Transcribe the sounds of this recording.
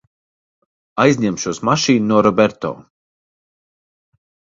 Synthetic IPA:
ajzʲɲɛmʃuːsmaʃiːnnuɔɾɔbɛɾt̪ɔ̰ː

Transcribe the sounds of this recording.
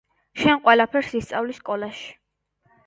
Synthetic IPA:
ʃɛnqʼwɛlapʰɛɾsist̪sʼavliskʼɔlaʃi̥

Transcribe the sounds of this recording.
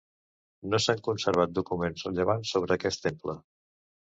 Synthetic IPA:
nosaŋkunsəɾβ̞at̪̚d̪ukumenzrəʎəβ̞ansːoβ̞ɾəːkɛst̪emplə

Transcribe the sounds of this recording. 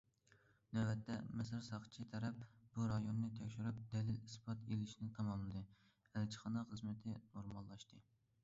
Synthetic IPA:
nɛɛt̪ʰːɛmɪsɨɾsɑχt͡ʃʰit̪ʰɛɾɛp̚b̥uɾɑjonːɨt̪ʰɛkʲʃyɾyp̚d̪ɛlɪlispʰɑt̪elɪʃinɪt̪ʰɑmɑmlˠɨd̪ɨ | ælt͡ʃʰə̥χɑnɑχəzmɪt̪ʰɪnoɾmɑlˠːɑʃt̪ɨ

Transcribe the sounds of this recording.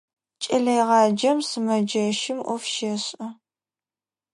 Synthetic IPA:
t͡ʃʼɐɮɐjʁɑːd͡ʒɐmsɨmɐd͡ʒɐʃɪmʔʷɔfʃɐɕʼɐ

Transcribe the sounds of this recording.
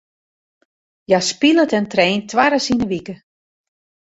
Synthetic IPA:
jaspilˠətɛntɾeːntʰʋaɾəsinəʋikə

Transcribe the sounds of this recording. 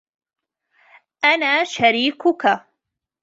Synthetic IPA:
ʔanaːʃaɾiːkʊka

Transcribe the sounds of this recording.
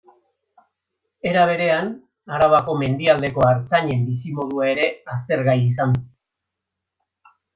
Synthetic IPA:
e̞ɾaβ̞e̞ɾe̞an | aɾaβ̞ako̞me̞nd̪iald̪e̞ko̞aɾt͡saɲe̞mbisimo̞ðuae̞ɾe̞ast̪e̞ɾɣajis̬an

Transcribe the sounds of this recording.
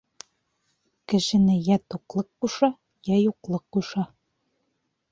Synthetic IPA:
kɘ̆ʃɘ̆nɘjæt̪uqlˠɤqquʃɑ | jæjuqlˠɤqːuʃɑ

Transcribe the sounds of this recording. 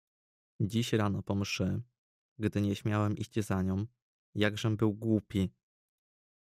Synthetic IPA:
d͡ʑiɕɾanɔpɔmʂɘ | ɡd̪ɘɲɛɕmʲjawɛmʔḭɕt͡ɕzaɲɔ̃w̃ | jaɡʐɛmbɘwɡwupʲi

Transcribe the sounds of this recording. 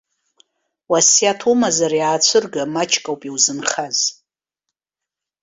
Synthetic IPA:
wasjatʰumazarjaːt͡ɕʷʰɨrɡamat͡ʃʰkʼawpʼiwzɨnχaz̥

